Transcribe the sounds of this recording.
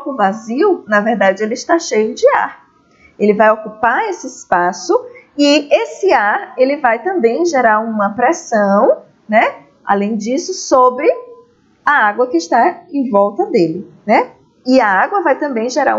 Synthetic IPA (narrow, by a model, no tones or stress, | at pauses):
kũvaziwnɐvɛɾd̪ad͡ʒɪelɪɪʃt̪aʃejʊd͡ʒɪa̰ɾ | elɪvajokupaɾesɪɪspasʊɪesɪaɾelɪvajt̪ɐ̃mbẽj̃ʒeɾaɾũmɐpɾɛsɐ̃w̃ | nɛ | a̰lẽj̃d͡ʒisʊsobɾɪ | ɐaɡwɐkɪːʃt̪aẽj̃vɔwt̪ɐd̪elɪnɛ | ɪɐaɡwɐvajt̪ɐ̃mbẽj̃ʒeɾã̰